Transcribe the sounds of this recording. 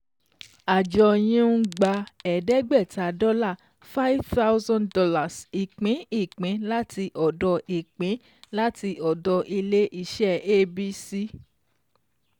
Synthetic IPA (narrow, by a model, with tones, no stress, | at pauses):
a˨d͡ʒɔ˧j̃ĩ˦n̩˦ɡ͡ba˧ɛ˨dɛ˦ɡ͡bɛ˦˨ta˨˦dɔ˦la˦˨ | fa˦i˦fta˦wzɔ̃˦ndɔ˧˦la˨si˨k͡pẽ˨˦i˦˨k͡pẽ˨˦la˦ti˧ʔɔ˨dɔ˧ʔi˨k͡pẽ˨˦ | la˦ti˧ʔɔ˨dɔ˧ʔi˧le˦ʔi˧ʃɛ˦˨e˦bi˦si˦